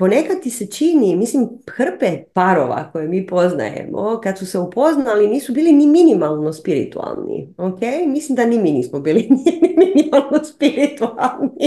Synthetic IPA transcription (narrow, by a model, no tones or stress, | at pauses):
po̞ne̞kad̪̚t̪ise̞t͡ʃinimislimxr̩pepaɾo̰ʋa̰ko̞jemiːpo̞zna̰jḛmo̰kad̪suse̞upo̞znaliniːsubiːliniminimalˠno̞spiɾḭt̪ua̰lˠnḭokejmislimd̪animiniːsmobiːlinimminimalˠnospiɾit̪ualˠni